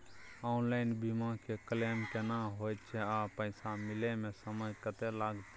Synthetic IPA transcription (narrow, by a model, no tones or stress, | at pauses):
aʊnlaɪnbimãkekəlemkenaɦojt̪̚t͡ʃʰɛapəɪsamɪlemẽsəməd͡ʒkət̪elaːɡt̪